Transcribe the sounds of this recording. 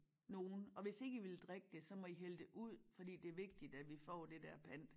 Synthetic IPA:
no̝ːn̩ɒ̽ʋe̝se̝ɡ̥əiʋe̝ld̥ʁeɡ̥əd̥e̝sɒ̽mɒ̽iɦeld̥e̝ʔuð̰ˠfɒ̽d̥ḭːd̥e̝æɐʋe̝ɡ̥̚d̥id̥æd̥ʋifɒ̰ːd̥e̝d̥æɐpʰæn̰d̥

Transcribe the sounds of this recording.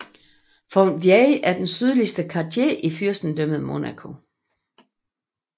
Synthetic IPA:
fɒnʋjɛʔæɐd̥ensyð̞ˠlisd̥əkʰɑ̈dʰje̝̰ʔifyɐ̰sd̥n̩d̥øməð̞ˠmo̝nækʰo̝

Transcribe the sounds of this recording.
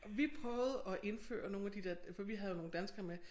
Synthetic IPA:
ʋipʰʁœːʊð̩ˠɒ̽ʔe̝nfø̰ːɐno̝ːnæd̥id̥eɐ̰fɒʋiɦæðˠjo̝no̝ːn̩d̥ænsɡ̥ɐme

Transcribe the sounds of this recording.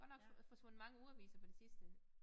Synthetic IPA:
ɡ̥ɒd̥nɒ̽ɡ̥fɒ̽sʋɔ̽n̰̩mɑ̈ŋəuɐʋḭːsɐpʰɒd̥esisd̥ə

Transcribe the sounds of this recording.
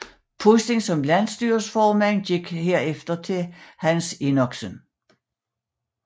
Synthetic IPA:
pʰosd̥e̝ŋsɒ̽mlæn̰sd̥yːɐsfɒːmænɡ̥eɡ̥heɐ̰efd̥ɐt͡sʰe̝hænsenɒɡ̥sən

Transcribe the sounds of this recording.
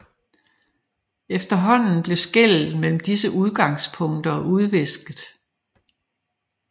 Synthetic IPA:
efd̥ɐɦɒ̽n̰n̩b̥le̝sɡ̥el̰ð̩ˠmel̰m̩d̥isəʔuð̞ˠɡ̥ɑ̈ŋspʰɔ̽ŋ̰d̥ɐʔuð̞ˠʋe̝sɡ̥ð̩ˠ

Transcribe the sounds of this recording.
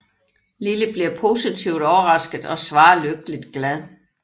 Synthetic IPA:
liləb̥liɐpʰo̝sit͡sʰiʊd̥ɒʊɐʁɑ̈sɡ̥ð̩ˠɒ̽sʋɑ̈ːløɡ̥̚əlid̥ɡ̥læð̞ˠ

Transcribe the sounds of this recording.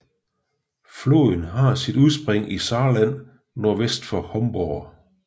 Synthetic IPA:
flo̰ðˠn̩ɦɑ̈sid̥uðˠsb̥ʁeŋ̰ʔisɑ̈ːlæn̰ | noɐʋesd̥fɒ̽hɒ̽mb̥ɒː

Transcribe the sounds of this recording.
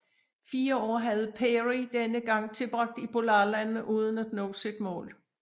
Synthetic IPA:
fiːɐɒ̰ːɦæð̞̩ˠpʰeʁid̥enəɡ̥ɑ̈ŋ̰t͡sʰe̝lb̥ʁɑ̈ɡ̥̚d̥ipʰo̝lɑ̈ːlænn̩əʔuːð̞ˠn̩æd̥nɔ̰̽ːsid̥mɔ̰̽ːl

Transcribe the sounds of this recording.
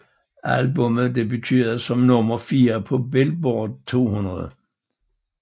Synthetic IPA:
ʔælbɔ̽məð̩ˠd̥̪eb̥et͡sʰy̰ːðˠsɒ̽mnɔ̽mɐfiːɐpʰɒ̽bel̚b̥oːd̥̚t͡sʰo̝̰ːhunɐðˠə

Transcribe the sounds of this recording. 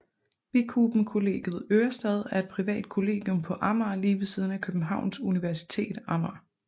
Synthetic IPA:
ʋikʰub̥m̩kʰo̝le̝̰ːɡ̥ð̩ˠøːɐsd̥ɛðˠæɐe̝d̥̚pʰʁiʋɛ̰ːd̥̚kʰo̝le̝̰ːɡ̥jɔ̽mpʰɒ̽ʔɑ̈mɐːliːʋeð̩ˠsiːð̞ˠn̩ækʰøb̥n̩ɦɑ̈ʊ̰nsuniʋæɐsi̥t͡sʰe̝̰ːd̥ɑ̈mɑː

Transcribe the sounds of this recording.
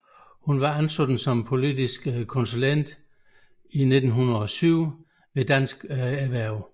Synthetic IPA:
hunʋɑ̈ænsod̥n̩sɒ̽mpʰo̝lidisɡ̥kʰːɔ̽nsulen̰d̥ | ine̝d̥n̩ɦunʁɐɒ̽syʊ | ʋe̝d̥æn̰sɡ̥æʋæɐ̰ʊ

